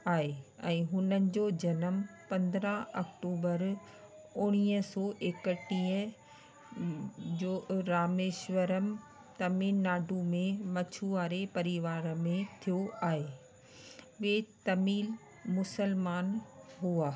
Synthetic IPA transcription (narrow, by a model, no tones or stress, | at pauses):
aːɦeɛ̃ːɦʊnənɪ̆d͡ʑod͡ʑɐnəmpɐ̃nd̪ɾəɦɐkʈuːbəɾ | ʊɽ̃iːəsɔːʔeːkəʈĩːə̃ | d͡ʑoːɾaːmeːʃʋəɾəm | t̪ɐmiːaːɖʱumẽmɐt͡ɕʰuaːɾepɐɾiʋaːɾmẽt̪ʰijoʔaːɦeː | ʋeːt̪ɐmiːl | mʊsəlmaːnɦuaː